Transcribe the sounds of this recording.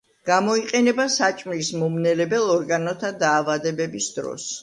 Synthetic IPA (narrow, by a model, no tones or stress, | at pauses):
ɡ̥amɔiqʼɛnɛbasat͡ʃʼmlismɔmnɛlɛbɛlˠɔɾɡanɔt̪ʰad̪aːvad̪ɛbɛbisd̪ɾɔ̰s